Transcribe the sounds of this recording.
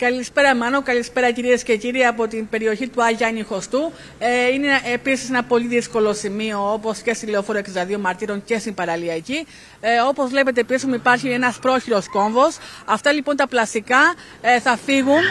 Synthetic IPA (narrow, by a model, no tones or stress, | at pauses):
kɐlispe̞ɾɐmɐno̞kɐlispe̞ɾɐciɾiesce̞ciɾiɐpo̞t̪imbe̞ɾio̞çit̪uɐʝɐnixo̞st̪u | ineepisise̞nɐpo̞liðisko̞lo̞simio̞opo̞sce̞st̪ileofoɾoeksid̪ɐðio̞mɐɾt̪iɾo̞nce̞st̪impɐɾɐliɐci | o̞po̞zvle̞pe̞t̪̬e̞pisismuipɐɾçie̞nɐspɾo̞çiɾo̞sko̞ɱvo̞sɐft̪ɐlipo̞nt̪ɐplɐst̪ikɐ | θɐfiɣun